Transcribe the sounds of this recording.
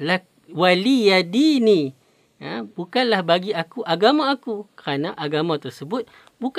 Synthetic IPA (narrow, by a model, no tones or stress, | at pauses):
la | walijadini | əbukanlahbaɡiakuʔaɡamaːkukəɾanaʔaɡamãt̪ərsəbʊt̪̚ | buk